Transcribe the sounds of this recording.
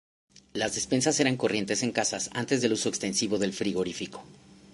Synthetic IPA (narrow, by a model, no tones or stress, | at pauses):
lazðespe̞nsase̞ɾaŋko̞rje̞nt̪e̞se̞ŋkasasa̰nt̪e̞zðe̞luso̞ekst̪e̞nsiβo̞ðe̞lfɾiɣo̞ɾifiko̞̥